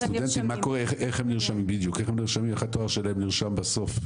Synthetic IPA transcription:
st̪udd̪ent̪imako̞ʁeeχeχhemniʁʃamimbid̪jukeχhemniʁʃamimeχatoaʁʃelaemniʁʃambaso̞f

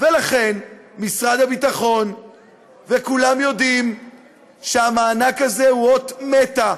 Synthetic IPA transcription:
velaχe̞nmisʁad̪abit̪aχo̞n | vekulamjo̞d̪im | ʃeamaːnakazehuot̪met̪a

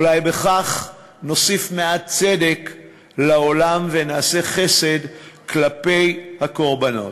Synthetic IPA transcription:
ulajbe̞χaχ | no̞sifmeat̚t͡se̞de̞k | lao̞lamvenaːseχe̞se̞dklape̞jhako̞ʁbano̞̰t

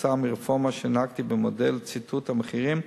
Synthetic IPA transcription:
samiʁefomaʃenaɡt̪ibemodelt͡sitʰuthameχiʁim

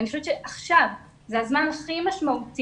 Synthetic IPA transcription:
nioʃoevett͡ʃeʔaχʃav | zeazmanaχimaʃmaut

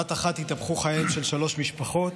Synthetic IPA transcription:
at̪aχat̪hit̪avχuχajemʃe̞lʃalo̞ʃmiʃpaχo̞t̪

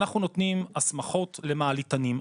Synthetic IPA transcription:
naχnuno̞t̪nimasmaχo̞tle̞maːlitanim

